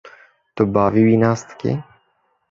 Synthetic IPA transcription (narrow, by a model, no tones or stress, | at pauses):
t̪obaːviwinast̪kɪ̰